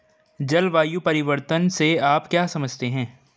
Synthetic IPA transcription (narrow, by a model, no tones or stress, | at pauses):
d͡ʒɐlʋaːjupɐɾɪʋəɾt̪ənseaːpkjaːsɐməd͡ʒt̪eɦɛ̃ː